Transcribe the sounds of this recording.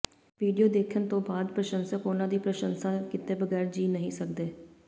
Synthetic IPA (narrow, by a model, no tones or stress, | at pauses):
ʋiːɖijoːd̪eːkʰənt̪õːbaːd̪pɾəʃənsəkʊnãːd̪iːpɾəʃənsaːkɪt̪eːbəɡɛːɾd͡ʒiːnəɦĩːsək̚d̪eː